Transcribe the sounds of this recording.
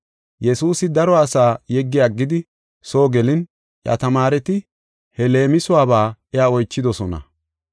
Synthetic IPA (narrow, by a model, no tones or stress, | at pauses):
jɛsuːsɪd̪ɐɾɔːsaːjɛɡːɪjaːɡːɪd̪ɪ | soːɡɛlɪn | ʔjɐ̰t̪ɐmaːɾɛt̪ɪ | hɛle̞ːmɪsʊwaːbaːɛjaːɔjt͡ʃːɪd̪ɔsɔnɐ̰